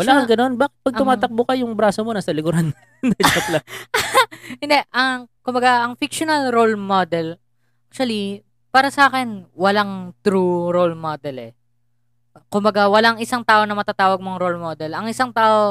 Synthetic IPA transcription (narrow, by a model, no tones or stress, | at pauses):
wɐlaːkɐŋɡɐno̞nbaːkɪ̥t̪̚pɐɡ̪̚ʊmaːt̪ɐk̚bʊkɐjʊŋbɾaːsomo̞nɐsɐlɪɡʊɾan | nɐd͡ʒɐplɐ | hɪnd̪ɛʔɐŋkʊmbɐɡaʔɐŋfɪkʃonɐlɾolmod̪ɛl | ʔak̚t͡ʃʊɐli | paːɾɐsɐʔaːkɛnwɐlaŋt̪ɾuɾolmod̪ɛlɛ | kʊmbɐɡawɐlaŋɪsaŋt̪aːʔo̞nɐmɐt̪at̪aːwɐɡ̚moɐŋɾolmod̪ɛlɐŋʔɪsaŋt̪aːʔo